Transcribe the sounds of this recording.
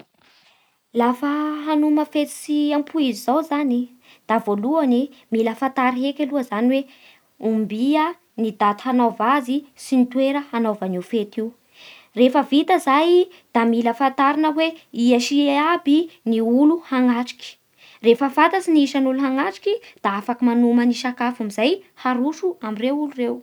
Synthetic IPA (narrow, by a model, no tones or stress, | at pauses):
lafəɦanuməfet̪i̥siampʰuizizawzani | d̪̥avoluanimiləfant̪aɾiɦekʲeluəzaniwe | umbiə | nid̪at̪anovazisinit̪weɾəanovanifet̪iw | refəvit̪əzaj | d̪̥amiləfant̪aɾinəweiaʃiabiniuluhaŋaʈ͡ʂi̥kʲi̥ | refəfat̪asiniiʃanuluɦaŋaʈ͡ʂi̥kʲid̪̥aafakimanuməniʃakafamizajhaɾuʃuamirewulurew